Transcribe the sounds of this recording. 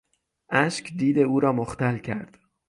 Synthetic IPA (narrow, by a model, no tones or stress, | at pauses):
ʔæʃcʰd̪iːd̪e̞uːɾɒːmoxt̪ælcʰæ̰ɾd̪̥